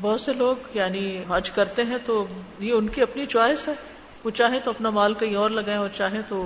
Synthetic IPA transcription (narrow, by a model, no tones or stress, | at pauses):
bɔɦːt̪seloːɡjaːniɦad͡ʒkɐɾt̪eɦɛ̃t̪oːjeʊnkiɐpnit͡ʃwaːɪsɦɛː | ʋot͡ʃaːɦẽt̪oɐpnamaːlkɐɦĩɔːɾlɐɡaːẽɔːɾt͡ʃaːɦẽt̪oː